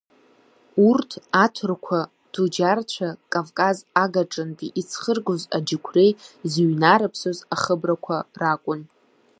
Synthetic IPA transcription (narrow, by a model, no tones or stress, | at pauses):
urtʰatʰɨrkʷʰa | d̥ud͡ʒart͡ɕʷʰakʼavkʼazaɡaʈ͡ʂʼɨntʼiʔit͡sʰχərɡozad͡ʒɪkʷʰrejziɥnaɾɨpʰsozaχəbrakʷʰarakʷʼʊn